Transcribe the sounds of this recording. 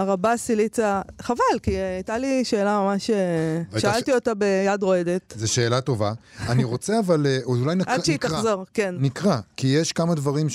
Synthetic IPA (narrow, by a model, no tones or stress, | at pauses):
aʁabasilit͡saχavalkiajtaliʃe̞ːlamamaʃeʃaalt̪iotabe̞jadʁo̞ed̪e̞tzeʃe̞ːlato̞vaaniʁot͡seavaleʔuulajnaadʃeitaʁχzo̞ʁkennikʁakijeʃkamad̪vaʁim